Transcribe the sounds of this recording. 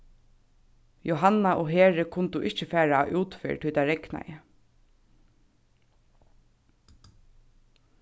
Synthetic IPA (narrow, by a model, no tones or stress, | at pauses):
jɔɦanaʔɔɦeːɹɪkʰʊnt̪uʔɪht͡ʃɪfæːɹaʔuːt̪fɪ̰ɹt̪ʰiːt̪aɾɛkna̰jɪ̰